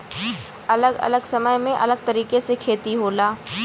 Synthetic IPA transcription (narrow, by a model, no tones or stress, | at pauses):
ɐləɡɐ̰ləɡsɐməjmẽʔɐ̰ləɡ̚t̪ɐɾiːkesekʰeːt̪iɦoːlaː